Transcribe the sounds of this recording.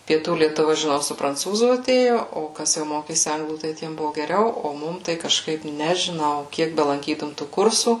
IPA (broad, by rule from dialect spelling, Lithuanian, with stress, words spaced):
pʲiɛˈtuː lʲiɛtʊˈʋɐ ʒʲɪˈnɐʊ sʊ prɐnˈt͡suːzuː ɐˈtʲeːjoː oː ˈkɐs jɛʊ ˈmoːkʲeːsʲɪ ˈɐŋɡlˠuː tɐɪ ˈtʲiɛm ˈbʊʋoː ɡʲɛˈrʲɛʊ ˈoː ˈmʊm tɐɪ kɐʃˈkɐɪp nʲɛʒʲɪˈnɐʊ ˈkʲiɛk bʲɛlˠɐŋʲˈkʲiːtʊm tuː ˈkʊrsuː